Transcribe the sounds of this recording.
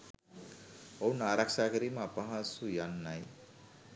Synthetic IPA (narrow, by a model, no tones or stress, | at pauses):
ʌwnaɾaksakəɾimapʌɦãsujanːaj